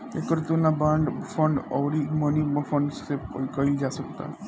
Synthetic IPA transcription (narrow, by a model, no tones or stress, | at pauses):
ekəɾt̪unlabaɳɖfəɳɖəwɾiməniməfəɳɖsepəlkəild͡ʒasəkt̪a̰